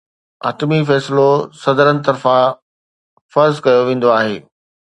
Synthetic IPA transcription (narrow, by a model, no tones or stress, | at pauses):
ɐ̰ːʈmifɛːslosɐd̪əɾənɪ̆t̪ɐɾfã | fɐɾzkɐjoʋẽːn̆d̪oaːɦeː